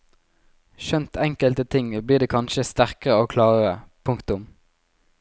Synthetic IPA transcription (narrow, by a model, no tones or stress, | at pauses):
ʃœnt̪ʰɛŋkəlt̪ət̪ʰɪŋbliːʁd̪eːkʰɑnʃəst̪æʁkəʁəoːkʰlɑːʁəʁəpʰʊŋkt̪ʊm